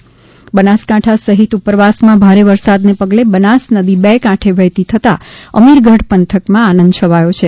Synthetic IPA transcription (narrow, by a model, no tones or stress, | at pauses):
bənaskãʈʰasəɦit̪upəɾʋasmãbʱaɾeʋəɾsad̪nepəɡlebənasnəd̪ibɛkãʈʰeʋɛt̪it̪ʰət̪a̰ə̰miɾɡʱəɽpənt̪ʰəkmãanə̃nd̪t͡ʃʰəʋajot͡ʃʰe